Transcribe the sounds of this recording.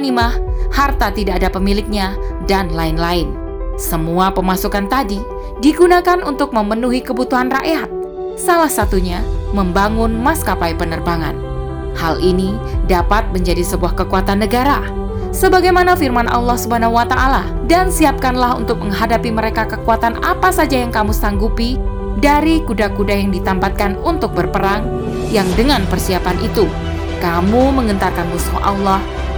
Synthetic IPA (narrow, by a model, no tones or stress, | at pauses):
nimahhart̪at̪idaːdapəmilɪk̚ɲadanlaɪnlaɪn | səmuapəmasukant̪adi | diɡunakanunt̪ʊk̚məmənuɦikəbut̪uɦanra̰ʔjat̪̚ | salahsat̪uɲaməmbaŋʊnmaskapajpənərbaŋa̰n | halʔini | dapat̪̚məɲd͡ʒadisəbuahkəkuat̪anːəɡaɾa | səbaɡajmanafirmanʔa̰wlːɔhsubaɦanahuwat̪aʔala | dansiap̚kanlaɦṵnt̪ʊk̚məŋɦadapiməɾekakəkuat̪anapasad͡ʒajaŋkamusaŋɡupi | daɾikudakudajaŋdit̪ampat̪̚kanunt̪ʊk̚bərpəɾaŋ | jaŋdəŋanpərsiapanʔit̪u | kamuməŋənt̪arkanmusuʔa̰wlɔh